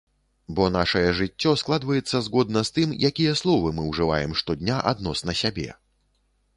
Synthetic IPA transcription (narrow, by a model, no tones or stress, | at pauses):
bɔnaʂɐjɛʐɨt͡sʲːɔsklˠad̪vɐjɛt̪sːɐzɣɔd̪̚nɐst̪ɨmjʔakʲijɐslˠɔvɨmɨwʐɨvajɛmʂt̪ɔd̪ʲnʲaʔa̰d̪nɔsnɐsʲabʲɛ̰